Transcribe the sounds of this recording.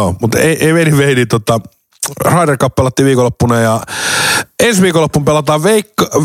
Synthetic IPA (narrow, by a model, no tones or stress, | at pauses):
omut̪ḛiʔeiʋeniʋʋeinit̪uot̪ɑ | rɑiderkɑppelɑt̪ːiːʋiːkolːopːunɑjɑ | ensʋiːkolːopːumpelːˑɑt̪ɑːʋʋeikːɑ